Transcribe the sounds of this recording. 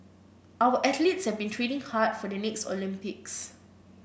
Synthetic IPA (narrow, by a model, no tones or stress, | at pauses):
ʔawəʔɛtlitshɛvbĩntʰɹenĩŋhat̚fɔdənɛkstɔ̰lĩmpiks